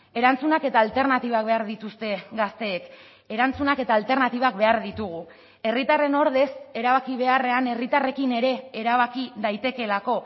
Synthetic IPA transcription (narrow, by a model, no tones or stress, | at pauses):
e̞ɾant͡sunake̞t̪aːlt̪e̞ɾnat̪iβak̚beaɾðit̪ust̪e̞ɡast̪e̞ːk | e̞ɾant͡sunake̞t̪aːlt̪e̞ɾnat̪iβ̞ak̚be̞aɾðit̪uɣ̞u | e̞rit̪are̞no̞ɾð̞e̞se̞ɾaβakiβ̞e̞are̞ane̞rit̪are̞kine̞ɾe̞ːɾaβ̞akiðajt̪e̞ke̞lako̞